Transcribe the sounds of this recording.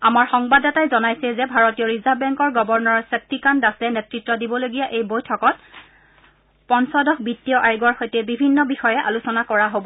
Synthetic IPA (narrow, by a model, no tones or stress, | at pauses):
amaɹxɔŋbadatajzɔnajsɛzɛbʱaɹɔtijɔɹizabɛŋkɔɹɡɔbɔɹnɔɹsɛk̚tikandasɛnetɹitːɔdibɔloɡijaʔejbojtʰɔkɔt̚ | pɔnsɔdɔkbitːijɔʔajɡɔɹxojtɛbibʱinːɔbixɔjɛʔa̰lusɔnakɔɹaɦobɔ